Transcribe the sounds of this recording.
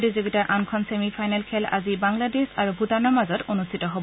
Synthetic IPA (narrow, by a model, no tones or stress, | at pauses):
diziɡitaɹʔankʰɔnsemipʰajnɛlkʰɛla̰zibaŋladesaɹubʱutanɔmazɔtonustʰitɔɦob